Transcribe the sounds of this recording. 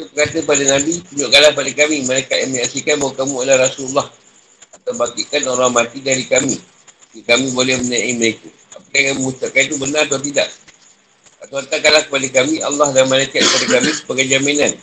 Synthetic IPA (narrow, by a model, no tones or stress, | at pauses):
t̪uʔpəkat̪əpadanãbit̪iɲʊʔkalakəpadəkamimalakat̪̚jaŋmĩasikanbawakamũalahrasululːɑh | at̪awbakiʔkanoɾaŋmãt̪idaɾikamĩ | kikamĩbolɛhməɲaaʔiməlakə | apəkakamuut͡ʃakait̪̬ubənaɾt̪at̪̬ida̰ʔ | at̪awat̪akalahkə̥padəkamĩa̰lːɑhdamalajkat̪̚k̚əpadakamĩsəbaɡajd͡ʒaminan